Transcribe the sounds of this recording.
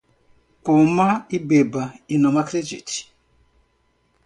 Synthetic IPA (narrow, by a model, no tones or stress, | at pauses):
kumaibebainɔmakɾed͡ʒḭti̥